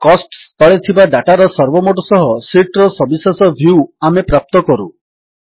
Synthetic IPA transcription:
kɔsʈst̪ɔɭet̪ʰibaɖaʈaɾɔsɔɾbɔmoʈɔsɔɦɔsiʈɾɔsɔbisasɔbʱjuamepɾap̚t̪ɔkɔɾṵ

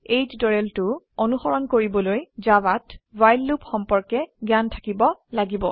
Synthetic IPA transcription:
ejtdɔɹɛltʊ | onuxɔɹɔnkoɹibɔlojzawatwajlːupxɔmpɔɹkɛɡjantʰḁkibɔlaɡibɔ̰

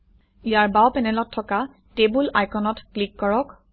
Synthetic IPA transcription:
ijaɹbawpɛnɛlɔtʰːɔka | tebulajkʰɔnɔtklikːɔɹɔk

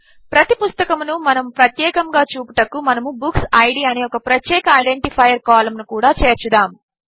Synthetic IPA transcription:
pɾɐt̪ipust̪ɐkɐmnumɐnɐmpɾɐt̪jɛːkɐŋɡaːt͡ʃuːpuʈɐkːumɐnɐmubuksɐjɽiːɐneːɔkɐpɾɐt̪jɛːkɐːjɖeɳʈipʰɐjɐɾkaːlɐmnukuːɽaːt͡ʃeːɾt͡ʃud̪aːm

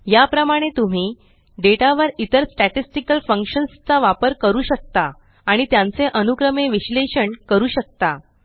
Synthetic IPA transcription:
japɾəmaɽ̃et̪um̤iː | ɖeʈaʋəɾit̪əɾsʈæʈisʈikəlfəŋkɕənst͡saʋapəɾkəɾuːɕək̚t̪aː | ɽ̃it̪jãnt͡seʔənukɾəmeʋiɕleɕəɳkəɾuːɕək̚t̪a

